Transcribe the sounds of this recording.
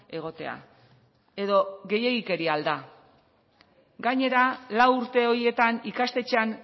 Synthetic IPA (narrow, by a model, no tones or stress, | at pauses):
e̞ɣ̞o̞t̪e̞̰a̰ | e̞ðo̞ɣe̞je̞ɣike̞ɾiald̪a | ɡaɲe̞ɾalawuɾt̪e̞o̞ɾie̞t̪anikast̪e̞t͡ʃean